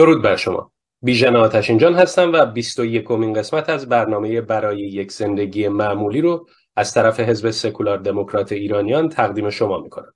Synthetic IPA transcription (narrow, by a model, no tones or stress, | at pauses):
d̪̥o̞ɾuːd̪̚bæɾʃo̞mʔɒ̰ː | biːʒæneɒːt̪ʰæʃind͡ʒɒːnɦæst̪æmvæbist̪o̞je̞kʰo̞minɢe̞smæt̪ʰæzbæɾnɒːme̞je̞bæɾɒːje̞jecʰz̥e̞nd̪e̞ɟiːjemæʔmuːliːɾo | æz̥t̪ʰæɾæfe̞ɦe̞zbe̞se̞kʰulɒɾd̪e̞mokʰɾɒːt̪ʰe̞iːɾɒːnijɒːnt̪ʰæɣd̪iːme̞ʃo̞mɒːmikʰo̞̰næm